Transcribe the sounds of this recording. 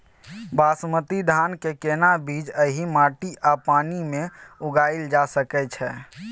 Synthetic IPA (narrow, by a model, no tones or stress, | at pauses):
basmət̪id̪ʱankekenabid͡ʒəɦimaːʈiʔapaːnimẽʊɡaːild͡ʒasəkɛt͡ʃʰɛ